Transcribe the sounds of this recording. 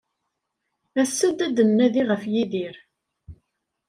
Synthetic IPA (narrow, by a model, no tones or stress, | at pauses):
æsːæd̪æd̪ənːæðiʁəfjiðiɾ